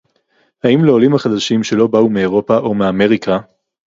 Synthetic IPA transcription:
haimleolimhaχad̪aʃimʃe̞lo̞baumeeʁo̞paʔo̞meame̞ʁikʰa

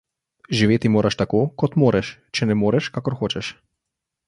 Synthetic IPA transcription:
ʒiʋet̪imoɾʔaʃt̪akokɔt̪mɔɾɛʃt͡ʃɛnɛmoɾɛʃkakɔɾxɔt͡ʃɛʃ

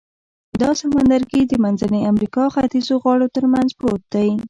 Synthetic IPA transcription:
d̪ɑsamand̪aɾɡid̪əmanzaneamɾikɑxat̪izoɣwɑɽot̪əɾmanzpɾot̪̚d̪aji

